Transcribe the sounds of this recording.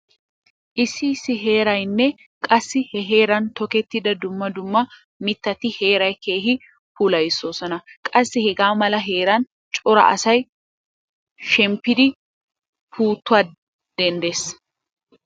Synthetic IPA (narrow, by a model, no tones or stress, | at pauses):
ʔɪsːɪsːɪɦe̞ːɾɐjnːɛ | kʼɐsːɪhɛɦe̞ːɾɐnt̪ɔkɛt̪ːɪd̪ɐd̪ʊmːɐd̪ʊmːɐ | mɪt̪ːɐt̪ɪhe̞ːɾɐjke̞ːɦɪ | pulɐjɪsːoːsɔnɐkʼɐsːɪhɛɡaːmɐlɐɦe̞ːɾɐn | t͡ʃʼɔɾɐ̰ʔɐ̰sɐj | ʃɛmpːɪd̪ɪ | pʰuːt̪ːʊaː | d̪̥ɛnd̪eːs